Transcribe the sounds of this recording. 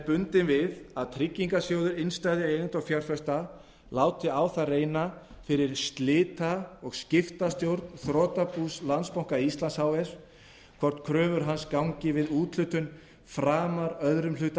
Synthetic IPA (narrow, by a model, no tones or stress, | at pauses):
pʏnt̪ɪnvɪðaðt̪ʰɾɪcːiŋkasjowðʏɾɪnst̪ajðɪejnɪnt̪awfjaɾ̥fœst̪a | laːwt̪ɪaːwθareːjna | fɪɾɪɾ̥st̪lɪːt̪aɔɣscɪft̪ast̪jowɾt̪nθɾɔːt̪apuːslant̪spawŋ̥kaist̪lansawɛs | kʰvɔr̥t̪kʰɾœːvʏɾ̥ɦanskawŋcɪvɪðuːt̪lʏt̪ʏn | fɾaːmaɾœðɾʏmlʏt̪a